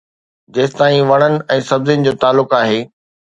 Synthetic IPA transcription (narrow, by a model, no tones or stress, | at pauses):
d͡ʑeːst̪aːĩʋɐɽ̃ənɪ̆ɛ̃ːsɐbzənɪ̆d͡ʑoːt̪aːlːʊkaːɦeː